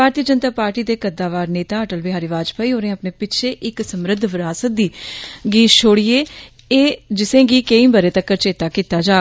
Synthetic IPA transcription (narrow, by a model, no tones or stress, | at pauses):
bʱaːɾt̪ijəd͡ʒənt̪aːpaːɾʈiːd̪eːkəd̪aːʋaːɾneːt̪aːəʈəlbɪɦaːɾiːʋaːd͡ʒpaːiːɦoːɾẽːəpneːpɪtːʃʰeːʔɪksəmɾəd̪ʱʋɪɾaːsət̪̚d̪iːɡiːt̪t͡ʃʰoːɽijeː | eːd͡ʒɪsẽːɡiːkeĩːbəɾeːt̪əkːəɾt͡ʃeːt̪aːkiːt̪aːd͡ʒaː